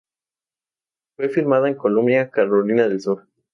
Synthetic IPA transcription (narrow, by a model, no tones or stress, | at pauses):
fwe̞fiɾmaðaeŋkolõmnjakaɾolinaðelsuɾ